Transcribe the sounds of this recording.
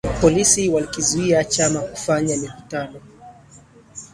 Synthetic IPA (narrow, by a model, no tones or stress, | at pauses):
pɔlisiwalikizuiat͡ʃamakufaɲamikutanɔ